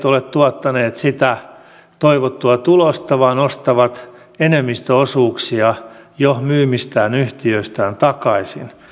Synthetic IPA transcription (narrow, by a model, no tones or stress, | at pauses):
t̪olett̪uɑt̪ːɑneːt̪sit̪æ | t̪oiʋot̪ːuɑt̪ulost̪ɑʋɑːnost̪ɑʋɑt̪ | enemːist̪øosuːksiɑjohmyːmist̪æːnyht̪iøist̪æːnt̪ɑkɑisḭn